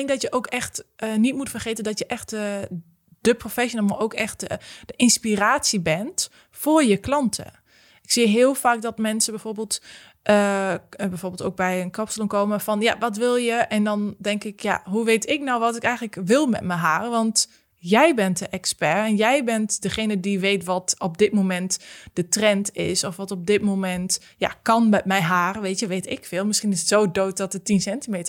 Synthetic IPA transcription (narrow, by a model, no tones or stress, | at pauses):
ɪŋk̚dɔtjəʔoːkɛxtənitmutfərχeːtəndɔtjəʔɛxt | d̥əprofɛsjonəlˠmaowkɛxtd̥əʔɪnspiraːtsibɛnt | fʊɹjəklɑntʰə̰ | ɪksiəɦɪəlˠfaːk̚dɔtmɛnsəbɛjfoːrbeːlˠt | ʔəbɛjfoːrbɪlˠtoːk̚bɛjənkɔpsəlɔmkoːməfɔnjaʋɔtʋɪlˠjəʔɛndɔndɛŋkɪkja̰ɦuʋeːtʰɪknawʋɔtɪkɛjɣən̩ləkʋɪlˠmɛ̰t̚mɛjɦaːrəʋɔnt | jɛjbɛntdəʔɛkspɛrɛnjɛjbɛntdəxeːnədiʋeːtʋɔtɔp̚dɪt̚momɛntd̥ətrɛntɪ̰sɔfʋɔtɔp̚dɪtmomɛnt | ja̰kɔnmɛtmɛjɦaːrəʋeːtjəʋeːtɪkfɪːlˠmɪsxinɪsətsoːdoːt̚dɔt̚dətinsɛntimeːtə